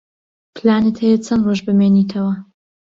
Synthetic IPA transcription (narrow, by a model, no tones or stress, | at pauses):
pʰlaːnɨt̪hejɛt͡sʰɐnroʒbɨmeːnit̪ʰɐwɐ